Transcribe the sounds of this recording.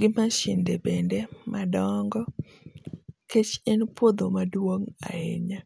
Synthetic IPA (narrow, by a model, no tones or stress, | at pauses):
ɡɪmaʃɪndebendɛmadɔŋɡɔ | ket͡ʃɛnpod̪omadwoŋa̰eɲa